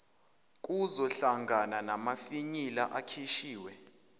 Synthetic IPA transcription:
kʼuzɔɬaŋɡʱananamafiɲilaʔakʰiʃiːwɛ

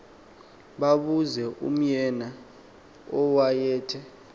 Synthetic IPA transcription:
ɓaɓuzɛʔṵm̩jɛna | ɔwajɛːtʰɛ

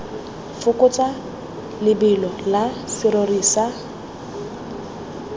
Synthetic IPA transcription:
fʊkʼʊt͡sʼa | lɪbɪlɔlasɪɾoriːsa

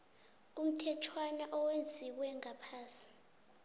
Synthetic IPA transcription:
um̩tʰɛtʰwanaʔɔwend͡zʱiwɛŋʱapʰaːsi̥

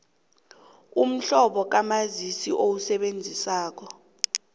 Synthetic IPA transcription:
um̩ɬɔɓɔk̬amazisiʔowusɛɓend͡zʱisaːk̬ɔ

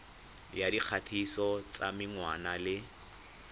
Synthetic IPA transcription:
jadiq͡χʰatʰisɔt͡sa̰mɪŋwa̰nalɪ

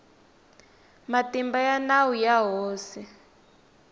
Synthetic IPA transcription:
matimbajanawujaɦoːsi

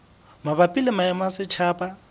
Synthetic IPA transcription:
mabapʼilɪmajamasɪt͡ʃʰaːpʼa

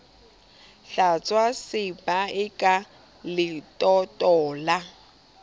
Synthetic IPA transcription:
ɬat͡sʼwasɪbʼaɪkʼa | lɪtʼɔtʼɔːla

